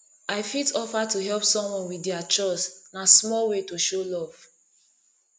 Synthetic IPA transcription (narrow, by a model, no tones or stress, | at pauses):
aɪfitɔfatuɦɛlpsɔ̃mwɔ̃nwidiat͡ʃɔsnasmɔlwetoʃolɔv̥